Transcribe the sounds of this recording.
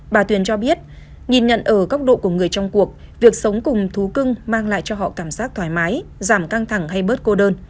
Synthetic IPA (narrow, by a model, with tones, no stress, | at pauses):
ɓaː˨˧˩t̪wi˨˩ənt͡ɕɔ˧ɓi˦˥ət̚ | ŋi˨˩nɲə̰˧˨nʔəː˧˩kə˦˥wk͡p̚ɗo̰˧˨ku˧˩əŋɨ˨˩əjt͡ɕɔ˧wŋ͡mku˨˩ək̚ | vi˨˩ək̚sə˨˦wŋ͡mkʊ˨˩ŋ͡mt̪ʰu˨˦kɨ˧ŋmaː˧ŋla̰ː˧˨jt͡ɕɔ˧ɦɔ̰˧˨kaː˧˩msaː˦˥k̚t̪ʰwaː˧˩jmaː˨˦jzaː˧˩mka˧ŋt̪ʰa˧˩ŋɦa˧jɓəː˦˥t̚ko˧ɗəː˧n